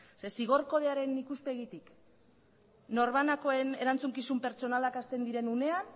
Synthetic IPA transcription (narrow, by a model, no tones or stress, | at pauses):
se̞siɣ̞o̞ɾko̞ðeaɾe̞nikuspe̞ɣit̪ik | no̞ɾβanako̞e̞ne̞ɾant͡suŋkisumpe̞ɾt͡ʃo̞nalakast̪e̞nd̪iɾe̞nune̞an